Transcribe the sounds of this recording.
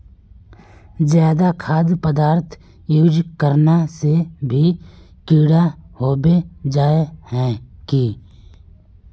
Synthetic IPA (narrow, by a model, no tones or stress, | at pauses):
zjaːd̪akʰaːd̪pəd̪aːɾt̪ʰ | juːd͡ʒkəɾnasebʱi | kiːɽahoːbed͡ʒaːehɛ̃ːkiː